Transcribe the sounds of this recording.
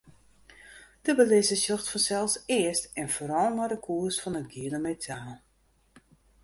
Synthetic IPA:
d̥əbəlɪsəsjoxtfɔnsɛlˠsɪəstɛnfoːɾɔlˠnɔdəkʰuəsfɔnətɡiələmetʰaːlˠ

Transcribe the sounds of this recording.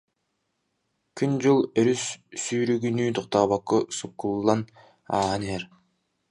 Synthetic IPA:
kʰynd͡ʒulˠeɾysːyːɾyɡynyːt̪uq̚t̪ɑːβakːosukːulˠːɑn | aːaneeɾ

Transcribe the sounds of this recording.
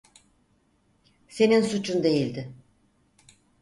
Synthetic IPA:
se̞ninsut͡ʃʰund̪e̞jilʲd̪ɪ

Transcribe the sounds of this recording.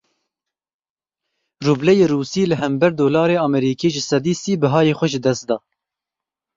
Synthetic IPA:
ruːblɛjeːruːsiːlɨɦɛmbɛɾd̪oːlɑːɾeːɑːmɛɾiːkʰeːʒɨsɛd̪iːsiːbɨɦɑːjeːxʷɛʒɨd̪ɛst̪̚d̪ɑː

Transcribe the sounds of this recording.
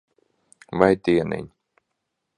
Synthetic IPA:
vajt̪iɛnɪ̰ɲ

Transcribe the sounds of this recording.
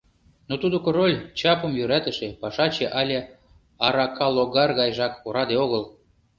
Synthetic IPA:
not̪ud̪okorolʲt͡ɕɑpəmjyɾæt̪ə̆ʃĕpɑʃɑt͡ɕeʔɑlʲe | ɑɾɑkɑloɣɑrɣɑjʒɑkoɾɑd̪eoɣəl

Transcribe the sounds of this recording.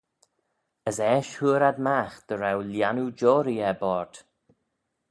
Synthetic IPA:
əsɛːʃhuːɾad̪maxd̪̥əɾawljanud͡ʒɔːɾiɛbɔɹd̪̥

